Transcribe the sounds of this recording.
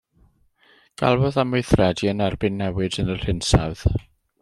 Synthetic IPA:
ɡ̥a̰lˠvɔðameɨθrɛdiənɛrbɪnːɛwɪdənər̥ɪnsawð̥

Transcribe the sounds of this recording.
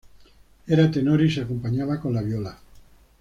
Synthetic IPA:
eɾat̪enoɾiseakompaɲaβakõ̞nlaβjola

